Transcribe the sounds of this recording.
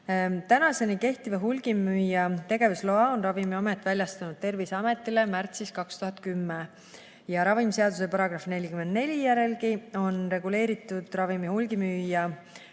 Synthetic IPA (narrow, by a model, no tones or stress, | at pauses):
t̪ænɑse̞nike̞ht̪ivɑɦulɡ̥imːyːjːɑt̪e̞ɡ̥e̞vuslo̞ɑonrɑvimiomet̪ːˑvælʲjɑst̪ɑnud̪̥̚t̪e̞rviseɑme̞t̪ːˑilemært̪siskɑkst̪uɦɑt̪kymːe | jɑɾɑvimse̞ɑd̪use̞pɑɾɑɡ̥rɑfne̞lʲikyme̞nd̪ne̞lʲijæɾe̞lkio̞nre̞ɡule̞ːɾit̪ːˑud̪̥rɑvimihulɡimyːjɑ